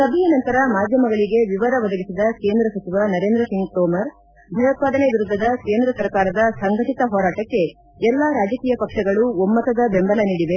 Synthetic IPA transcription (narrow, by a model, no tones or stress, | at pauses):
sɐbʱɛjɐnɐnt̪ɐɾɐmaːd̪ʱjɐmɐɡɐɭiɡe̞ʋiʋɐɾɐʋɐd̪ɐɡisid̪ɐke̞ːnd̪ɾɐsɐt͡ʃiʋanɐɾe̞ːnd̪ɾɐsiŋɡt̪ɔːmɐɾ | bʱɐjɐt̪̚paːd̪ɐneʋiɾud̪ʱːɐd̪ɐke̞ːnd̪ɾɐsɐɾkaːɾɐd̪ɐsɐŋɡɐʈit̪ɐɦɔːɾaːʈɐkːe̞ | ɛlːaɾaːd͡ʒɐkiːjɐpɐkʂɐɡɐɭuomːɐt̪ɐd̪ɐbembɐlɐniːɽiʋe